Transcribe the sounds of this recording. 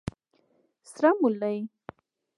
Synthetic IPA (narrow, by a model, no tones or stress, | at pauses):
sɾamulaj